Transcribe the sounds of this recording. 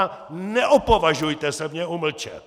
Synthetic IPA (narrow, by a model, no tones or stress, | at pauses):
nɛʔopovaʒujt̪ɛsɛmɲɛuml̩t͡ʃɛ̰